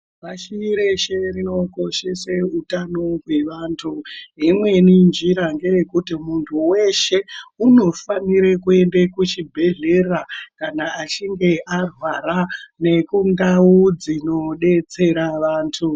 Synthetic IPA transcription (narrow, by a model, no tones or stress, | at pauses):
ʋaʃiːɾe̞ʃerino̞ko̞ʃeseutano̞ɦwe̞ʋaːntʰuimwe̞nind͡ʒiɾaŋɡe̞jekutimuntʰuwe̞ʃe̞uno̞faniɾekue̞ndekut͡ʃibʱe̞ɮe̞rakanaːt͡ʃiŋɡe̞ʔarwaɾane̞kundaud͡zino̞ɗe̞t͡se̞ɾaʋaːntʰu